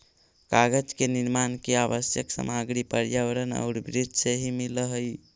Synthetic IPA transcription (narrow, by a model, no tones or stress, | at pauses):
kaɡəd͡ʒkeniɾmankeabəsjəksə̰maɡɾipəɾjəʋəɾənə̰ʊɾbɾid͡ʒ̪seɦimiləɦəj